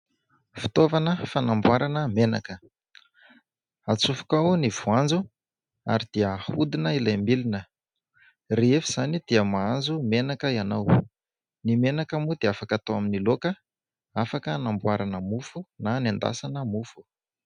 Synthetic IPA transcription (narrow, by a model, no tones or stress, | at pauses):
fi̥t̪ovanəfanambwaɾanəmena̰kə | at͡sufu̥kauniv̥uand͡zu | a̰ɾid̪̥iəhud̪inəilajmilinə | reefiz̥anid̪iəmaand͡zumenakəianaw | nimenakamud̪eafakat̪owaminilokə | afakənambwaɾanəmufunanand̪a̰sanəmufu̥